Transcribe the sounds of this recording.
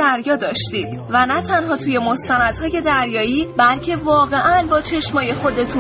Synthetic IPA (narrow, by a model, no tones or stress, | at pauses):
æɾjɒːd̪ɒːʃt̪iːd̪̥ | vænæt̪ʰænɦɒːt̪ʰuːje̞mo̞st̪ænæd̪̥hɒːje̞d̪æɾjɒːiːbælcʰe̞vɒːɣe̞ʔænbɒːt͡ʃʰe̞ʃmɒːje̞xo̞d̪e̞t̪ʰu